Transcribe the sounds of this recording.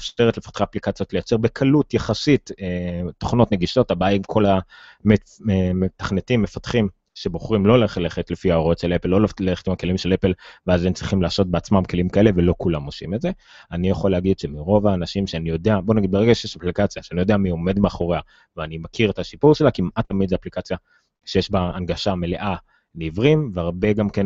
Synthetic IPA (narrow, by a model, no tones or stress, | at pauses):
afʃteʁetle̞fḁt̪χaːplikat͡sjo̞t̪lejat͡se̞ʁbe̞kʰalutjaχasiteːo̥χno̞tne̞ɡiʃo̞t̪abajikʰo̞lame | met̪ḁχnetimːefat̪χim | ʃe̞boχʁimlo̞leχleχet̪lefiaoʁotʃelepelːolleχe̥t̪imake̞limʃele̞pelveazemt͡sʁiχimlaːso̞t̚beat͡smamke̞limkaeleve̞lo̞kulamosḭmedze̞ | anijaχoleaɡid̪ʃemiʁo̞vaːnaʃimʃeanijo̞d̪e̞abo̞naɡid̪̚beeɡaʃejeʃaplikat͡sjaʃeanijo̞d̪eamio̞me̞d̪meaχo̞ʁea | veanimakʰiʁet̪aʃipuʁʃelakimʔat̪ːamid̪zeaplikat͡sja | ʃejeʃbaːnɡaʃame̞le̞ʔa | nivʁimveaʁbe̞ɡamke̞n